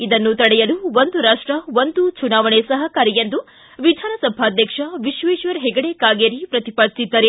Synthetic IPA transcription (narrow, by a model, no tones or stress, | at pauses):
id̪ɐnːut̪ɐɽɛjɐluʋond̪uɾaːʂʈɾɐʋond̪ut͡ʃunaːʋɐɳesɐɦɐkaːɾijend̪u | ʋid̪ʱaːnɐsɐbʱaːd̪ʱjɐkʂɐʋiʃʋeːʃʋɐɾɦɛɡɐɽekaːɡeɾipɾɐt̪ipɐɾsid̪ːɐɾe